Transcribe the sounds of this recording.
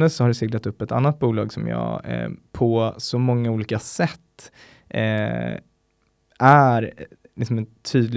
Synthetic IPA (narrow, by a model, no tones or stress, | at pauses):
əsɔhaɖɛsɪɡlat̪ɵpːɛt̪a̰nːat̪̚buːlɑːɡsɔmjɑ̰ːpʰɔsɔmɔŋːauːliːkasɛt̪ː | ʔæɾ | lɪksɔmɛnt̪ʰyːd̪l